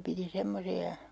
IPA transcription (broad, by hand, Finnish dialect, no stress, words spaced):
piti semːosiɑ